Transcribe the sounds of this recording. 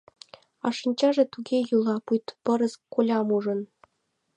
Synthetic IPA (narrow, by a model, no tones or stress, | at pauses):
ɑ̰ʂɤ̆nʲt͡ɕɑʐĕt̪uɡʲejulˠɑpujt̪pɤ̆ɾɤ̆skolʲɑmuʐɤ̆n